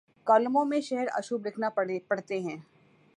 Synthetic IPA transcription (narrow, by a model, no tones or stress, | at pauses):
kɐlmõmẽʃɛɦɛɾɐ̰ʃubɾɪkʰnapɐɽ̤t̪eɦɛ̃ː